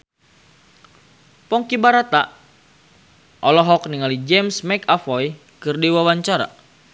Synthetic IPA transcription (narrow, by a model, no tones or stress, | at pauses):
pɔŋkibaɾat̪a | ʔɔlɔɦɔk̚niŋalid͡ʒɛmsmɛkafɔj | kɨrdiwawaɲt͡ʃaɾa̰